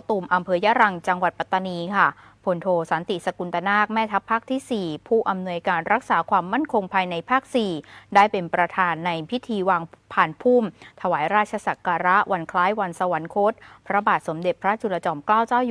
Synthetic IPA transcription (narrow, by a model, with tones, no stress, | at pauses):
t̪uː˨˩mʔa˧mpʰɤː˧ja˦˥ɾa˧ŋt͡ɕa˧ŋwa˨˩t̪̚pa˨˧˩t̪ːa˧niː˧kʰa˥˩ | pʰo˧nt̪ʰoː˧sa˩˦nt̪i˨˩sa˧ku˧nt̪a˧naː˥˩k̚mɛː˥˩t̪ʰa˦˥pʰːaː˥˩k̚t̪ʰiː˥˩siː˨˩pʰuː˥˩ʔa˧mnu˧əjkaː˧nɾa˦˥k̚saː˩˦kʰwaː˧mːa˥˩nkʰo˧ŋpʰaː˧jna˧jpʰaː˥˩k̚siː˨˩daː˥˩jpe˧npɾa˧t̪ʰaː˧nːa˧jpʰi˦˥t̪ʰiː˧waː˧ŋpʰaː˨˩npʰuː˥˩mt̪ʰa˧waː˩˦jɾaː˥˩t̪̚t͡ɕʰa˧sa˨˩kaː˧ɾa˦˥ʔwʔa˧nkʰlaː˦˥jwa˧nsa˧wa˩˦nkʰo˦˥t̪̚pʰɾa˦˥baː˨˩t̪̚so˩˦mde˨˩t̪̚pʰɾa˦˥t͡ɕu˧la˧t͡ɕɔː˧mklaː˥˩wt͡ɕaː˥˩w